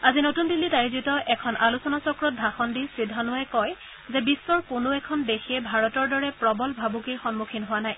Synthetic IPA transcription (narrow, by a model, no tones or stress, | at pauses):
azinotundilːitajzɹitɔʔɛkʰɔnʔalusɔnasɔkɹɔt̚dʱaxɔndisidʱːɔnʊwajkɔj | zɛbisːɔɹkʊnoɛkʰɔndexʰiɛbʱaɹɔtɔɹdɔɹɛpɹɔbɔlbʱabukiɹxɔnmukʰinɦʊwanaj